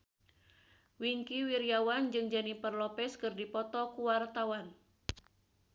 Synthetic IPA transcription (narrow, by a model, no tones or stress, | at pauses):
wiŋkiwiɾiawand͡ʒɨŋd͡ʒanipərlɔpɛskɨrdipɔt̪ɔkuwart̪awan